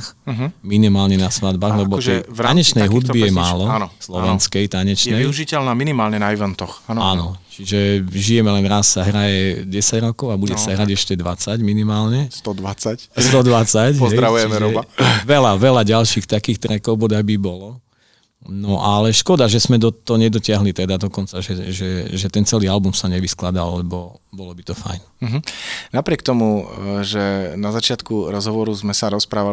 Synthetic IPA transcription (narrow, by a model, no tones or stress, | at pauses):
xɦminimaːlɲɛnasʋad̪baːɣlɛbɔɛjtaɲɛt͡ʃnɛjɦud̪bijɛmaːlɔnslɔʋɛnskɛjt̪aɲɛt͡ʃnɛjiuʒicɛlnaːminimaːlɲɛnaiʋɛnt̪ɔxaːnɔt͡ʃiʒɛʒijɛmɛlɛnɾasːaɦɾajɛɟɛsaɟɾɔkɔʊabuɟɛsaɦɾaɟɛʃcɛd̪ʋat͡saɟminimaːlɲɛst̪ɔd̪ʋat͡sacst̪ɔd̪ʋat͡sacɔzɛj̪ɾaʋujt͡ʃɛimɛʒɾɔaʋɛlaʋɛlaɟalʃiːxt̪akiːxt̪ɾɛkɔʊbɔd̪abibɔlɔ | nɔʔalɛʃkɔd̪aʒɛzmɛd̪ɔt̪ːɔɲɛd̪ɔcɪaɦlit̪ɛd̪ad̪ɔkɔnt͡saʒɛʒɛʒɛt̪ɛnt͡sɛliːalbumsaɲɛʋisklad̪a̰llɛbɔ | bɔlɔbit̪ɔfa̰jn̩ɦ̩napɾɪɛkt̪ɔmuʒɛnazat͡ʃɪat̪kuɾɔzɦɔʋɔɾuzmɛsaɾɔspɾaːʋa